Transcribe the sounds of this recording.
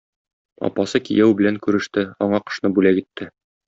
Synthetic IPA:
ɒ̰pɑsɤkḭjæwbɘ̆læŋkʉɾɘ̆ʃt̪ɘɒɴɑqɤ̥̆ʃnɤbʉlækit̪ːɘ

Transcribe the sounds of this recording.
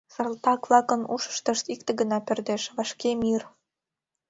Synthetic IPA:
sə̆rlt̪ɑkvlˠɑkə̆nuʃə̥ʃt̪ə̆ʃt̪ik̚t̪ĕɡənɑpørd̪eʃβɑʃkemir

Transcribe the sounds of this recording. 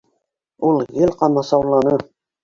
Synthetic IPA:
ulˠjɘlʲqɑmɑsɑwlˠːɑnɤ

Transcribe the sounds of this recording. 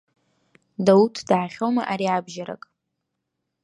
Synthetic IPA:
dautʰd̥aːχʲowma̰ʔaɾiabʒaɾa̰kʼ

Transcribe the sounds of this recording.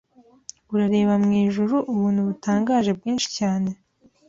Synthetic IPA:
uɾaɾe̞ːβamŋiːʒuɾuʔuβuːnhuβutaːŋɡaːʒe̞bɡiːnʃi̥caːne̞

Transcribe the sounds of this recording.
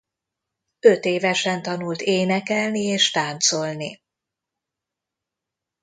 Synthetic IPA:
øt̪eːvɛʃɛnt̪ɒnult̪eːnɛkɛlnieːʃt̪aːnt̪so̞lni

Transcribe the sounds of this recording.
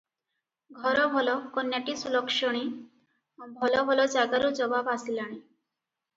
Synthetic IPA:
ɡʱɔɾɔbʱɔlɔkɔnjaʈisulɔkʃɔɽ̃i | obʱɔlɔbʱɔlɔd͡ʒaɡaɾud͡ʒɔbabasilaɽ̃i

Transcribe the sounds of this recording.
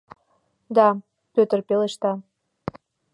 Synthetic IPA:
d̪ɑ | pøt̪ə̆rpeleʃt̪ɑ

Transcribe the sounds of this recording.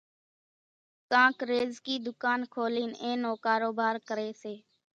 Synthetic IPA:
kãːkɾeːzkiːd̪ʊkaːnkʰoːliːnẽːnõːkaːɾoːbʱaːɾkəɾeːseː

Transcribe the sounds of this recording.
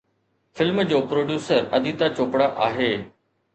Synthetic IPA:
fɪlmd͡ʑoːpɾoːɖjuːsəɾɐ̰d̪ʱit̪at͡ɕoːpɽaʔaːɦeː

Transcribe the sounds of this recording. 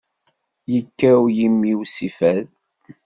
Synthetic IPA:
jəkːæujimːiwsifæð

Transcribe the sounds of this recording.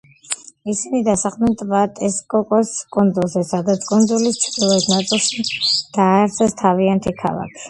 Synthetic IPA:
isinid̪asaχmɛnt̪ʼvat̪ʼɛskʼɔkʼɔskʼund̪zulˠzɛsad̪at̪sʰkʼunzulist̪t͡ʃ̪ʰd̪ilˠɔd̪nat̪sʼilˠʃid̪̥aːɾsʰɛst̪ʰaviant̪ʰikʰa̰lˠa̰kʰi̥

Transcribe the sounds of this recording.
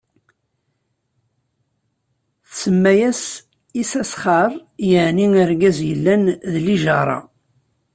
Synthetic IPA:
θsəmːæjæs | isæsχɑɾˤjəʕniŋəɾɡæzjəlːænðliʒɑɾˤɑ̰

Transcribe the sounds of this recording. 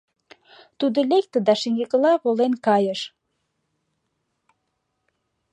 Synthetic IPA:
t̪ud̪ə̆lek̚t̪ə̆d̪ɑʃiŋɡeklɑβolenkɑjəʃ

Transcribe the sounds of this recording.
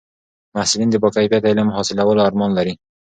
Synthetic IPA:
mahsulind̪ɪbɔkajfijat̪ɪɪlɪmhɔsɪlawɔlʊaɾmɔnlaɾi

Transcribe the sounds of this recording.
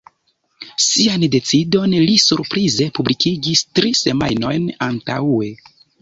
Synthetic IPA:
siande̞t͡sido̞nlisuɾpɾize̞publikiɡistɾise̞majno̞jnantae̞

